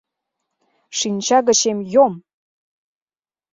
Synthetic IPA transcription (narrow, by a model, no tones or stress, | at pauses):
ʃinʲt͡ɕɑɣə̆t͡ɕemjom